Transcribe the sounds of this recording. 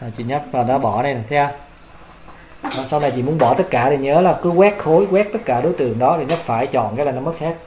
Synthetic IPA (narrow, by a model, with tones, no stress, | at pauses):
aː˨˩t͡ɕḭ˧˨ɲa˦˥p̚aː˨˩nɔ˨˦ɓɔ˧˩nɛ˨˧jn˨˩t̪ʰɛ˧a˧˩ | ɔ˨˩sa˧wna˨˩jt͡ɕḭ˧˨mu˨˦ənɓɔ˧˩t̪ə˦˥t̚kaː˧˩ɗi˨˩ɲəː˨˦laː˨˩kɨ˨˦ɣwɛ˦˥t̚xo˨˦jɣwɛː˦˥k̚t̪ə˦˥t̚kaː˧˩ɗo˨˦jt̪ɨ˨˩əŋɗɔ˨˦ɗʰe˨˩ɲa˦˥p̚faː˧˩jt͡ɕɔ̰˧˨nkaː˨˦laː˨˩nɔ˨˦mə˦˥t̚he˦˥t̚